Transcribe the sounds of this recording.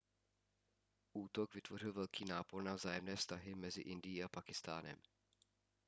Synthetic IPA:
ʔuːt̪oɡvɪt̪vo̞r̝ɪlvɛlkʰiːnaːpo̞rnavzaːjɛmnɛːfst̪aɦɪmɛzɪʔɪndɪjiːapakɪst̪a̰ːnɛ̰m

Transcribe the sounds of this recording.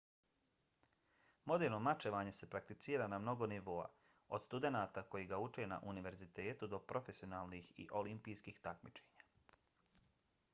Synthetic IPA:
mo̞d̪eːɾno̞mat͡ʃeʋaːɲe̞se̞pɾak̚t̪it̪siːɾanamno̞ɡo̞niʋo̞ːa̰ | o̞̰d̪st̪ud̪e̞naːt̪ako̞jiːɡaut͡ʃena̰ʔuniʋe̞ɾzit̪e̞ːt̪ud̪o̞pɾʔo̞fe̞sio̞naːlnixḭʔo̞limpijskiːxt̪akmit͡ʃe̞̥ːɲa

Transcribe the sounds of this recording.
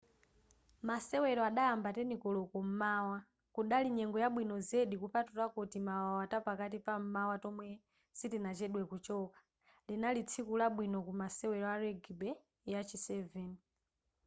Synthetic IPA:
masɛwɛɾɔaɗajambatɛnikɔlɔkɔm̩maːwa | kuɗaliɲɛŋɡɔjaɓwinɔzɛɗikupatutakotimawawatapakatipam̩mawatɔmwɛ | sitinat͡ʃɛɗwɛkut͡ʃɔkḁ | linalit͡sʰikulaɓwinɔkumasɛwɛɾɔaɾɛɡibɛ | jat͡ʃʰisɛvɛni

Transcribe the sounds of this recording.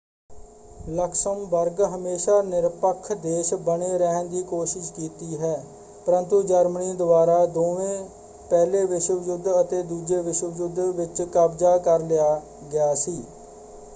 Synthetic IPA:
ləksəmbəɾɡɦəmeːʃaːnɪɾpəkʰːd̪eːʃbəneːɾəɦnd̪iːkoːʃɪʃkiːt̪iːɦɛː | pəɾə̃nt̪ud͡ʒəɾmniːd̪ʊbaːɾaːd̪oːʋẽː | pɛːleːʋɪʃəd͡ʒʊd̪ʱət̪eːd̪uːd͡ʒeːʋɪʃwəəd͡ʒʊd̪ʋɪt͡ʃkəbd͡ʒaːkəɾlɪaː | ɡɪjaːsiː

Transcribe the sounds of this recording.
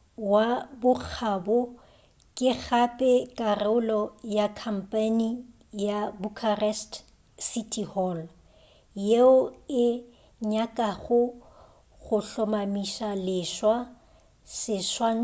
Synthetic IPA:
wabʊk͡xʰabɔ | kʼɪɣapʼɛkʼarɪʊlɔjakʰam̩pʼani | jabukʰarɛst | sitʼʰihɔl | jeʊɪ | ɲakʼaɣʊ | ɣʊɬɔmamiʃalɪʃwa | sɪʃwa

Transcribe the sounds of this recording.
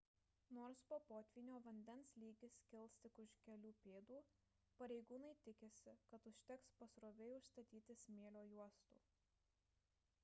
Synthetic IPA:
noːɾspoːpoːt̪ʲʋʲiːnʲoːʋɐnʲd̪ʲɛnslʲiːɡʲɪsʲkʲɪlˠʲst̪ʲɪkʊʃkʲɛlʲuːpʲeːd̪uː | pɐɾʲɛɪɡuːnɐɪt̪ʲɪkʲɪsʲɪkɐt̪ʊʃʲt̪ʲɛkspɐsɾoːʋʲɛɪʊʃst̪ɐt̪ʲiːt̪ʲɪsʲmʲeːlʲoːjuɔst̪ṵː

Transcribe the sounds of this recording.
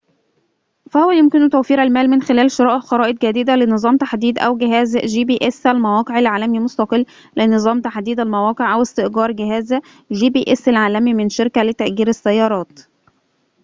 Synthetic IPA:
fæhowæjomkɪnt̪æwfiːɾælmæːlmɪnxelæːlʃoɾˤɑːʔʔxɑɾɑːʔed̪̚ɡæd̪iːd̪ælenɨzˤɑːmt̪aħd̪iːd̪ʔæ̰wɡɪɦæːzʒiːbiʔesælmæwɑːqeʕalʕaːlæmimost̪ɑqɨlː | lenɨzˤɑːmt̪aħd̪iːd̪ælmæwɑːqeʕʔæwɪst̪eʔɡɑːɾˤɡeɦæːz | ʒiːbiʔesælʕaːlæmimɪnʃeɾkælɪt̪æʔɡiːɾæsːæjːɑːɾˤɑːt̪

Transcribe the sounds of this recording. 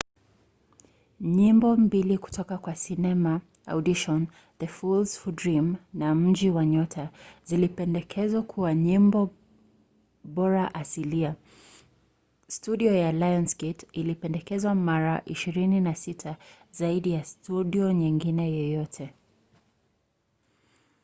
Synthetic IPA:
ɲimbɔmbiliku̥tʰɔkakwasinɛma | a̰wɗiʃɔn | ðəfulzfudɹimnam̩d͡ʒiwaɲɔtʰazilipɛndɛkʰɛzwakʰuwaɲimbɔ | ɓɔɾaʔasilia | stuɗiɔjalajɔnsɡɛtilipɛndɛkɛzwamaɾaʔiʃiɾininasitʰa | zaiɗijastuɗiɔɲiŋɡinɛjɛjɔtʰɛ

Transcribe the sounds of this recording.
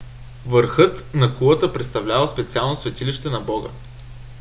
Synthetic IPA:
vəɾxɤt̪nɐkulˠət̪əpɾɛt̪st̪ɐvlʲavəspɛt̪sialˠnosvɛt̪iliʃt̪ɛnɐbɔɡə̰

